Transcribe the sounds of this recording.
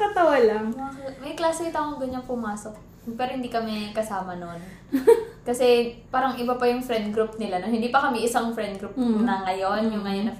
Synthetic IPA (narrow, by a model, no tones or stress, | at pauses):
kɐt̪ɐwalaakmɐjklaːsɪɪt̪akoŋɡɐɲːanpʊmaːsok̚ | pɛːɾohɪnd̪iːkɐmɛkɐsaːmɐno̞n | kɐsɛpaːɾɐŋɪbapɐjʊŋfɾɛnd̪̚ɡɾupnɪlanonhɪnd̪iːpɐkɐmɛʔɪsaŋfɾɛnd̪̚ɡɾupnɐŋɐjo̞njʊŋːɐjonɐ